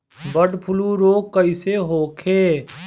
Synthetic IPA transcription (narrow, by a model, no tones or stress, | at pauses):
bəɖpʰʊluɾoːkːɐiseɦoːkʰeː